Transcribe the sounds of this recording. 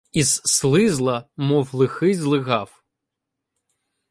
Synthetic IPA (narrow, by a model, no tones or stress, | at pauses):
iz̥ːlˠɪzlˠɐmɔwlˠɪxɪzlˠɪɣɑw